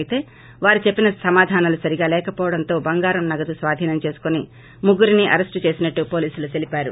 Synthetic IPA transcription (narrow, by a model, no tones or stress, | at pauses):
t̪e̞ː | ʋaːɾit͡ʃe̞pːinɐsɐmaːd̪ʱaːnɐlusɐɾiɡaːlɛːkɐpɔːʋɐɽɐnt̪o̞ːbɐŋɡaːɾɐmnɐɡɐt̪usʋaːd̪ʱiːnɐmt͡ʃe̞ːsu̥koni | muɡːuɾiniʔɐ̰ɾesʈt͡ʃe̞ːsinɐʈːupo̞ːliːsulut̪e̞lipaːɾṵ